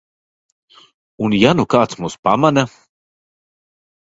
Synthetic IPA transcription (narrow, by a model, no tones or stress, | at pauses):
unjanukaːt̪smuspamanʲa